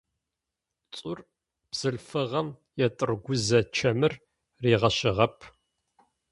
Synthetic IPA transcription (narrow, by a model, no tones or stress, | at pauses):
t͡sʼʊr | b̥z̥ɨɮfɐʁɐm | jɛtʼɨrɡʷʊzɐt͡ʃʰɐmɨr | riːʁɐɕɪʁɐpʰ